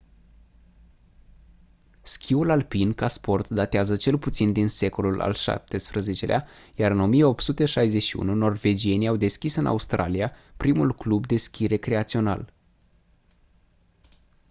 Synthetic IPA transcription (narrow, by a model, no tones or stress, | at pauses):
skʲʰiulalpinkaspo̞rt̪d̪at̪eazət͡ʃe̞lput̪sind̪inse̞ko̞lula̰lʃa̰p̚t̪e̞spɾəze̞t͡ʃe̞leajaɾɨno̞mijeo̞p̚t̪sut̪eʃajze̞ʃiṵnuno̞rve̞d͡ʒie̞niawd̪e̞skʲisɨnʔa̰ust̪ɾa̰lijapɾimulklubd̪e̞skʲiɾe̞kɾe̞at̪sio̞na̰l